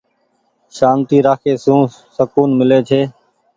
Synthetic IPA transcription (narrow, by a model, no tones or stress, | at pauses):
ʃaːnt̪iːɾaːkʰeːsũː | səkuːnmɪleːt͡ʃʰeː